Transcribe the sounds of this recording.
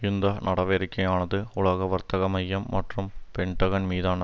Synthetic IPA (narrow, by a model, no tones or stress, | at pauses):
ɪnd̪ɐnɐɽɐʋeːɾɪkːɐjaːnɐðɯʊɭɐɣɐʋɐɾt̪ɐɣɐmɐjːɐmːɐʈrɯmpɛɳʈɐɣɐnmiːðaːnɐ